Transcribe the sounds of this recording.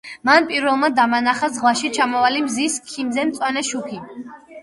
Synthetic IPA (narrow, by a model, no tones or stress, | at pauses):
manpʼiɾvɛlˠmad̪amanaχazʁwaʃit͡ʃʰamɔvalimziskʰimzɛnt̪sʼwanɛʃukʰi